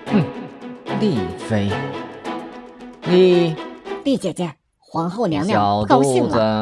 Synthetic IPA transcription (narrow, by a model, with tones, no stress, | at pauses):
n̩˥˩li˥˩fe˥ɪ | ni˨˩ | t̪i˥˩t͡ɕjɛ˨˩t͡ɕjɛ˥˩ | xwɑ˧˥ŋxo˥˩ʊnjɑ˧˥ŋnjɑ˨˩ʊkɑ˥ɕi˥˩ə˧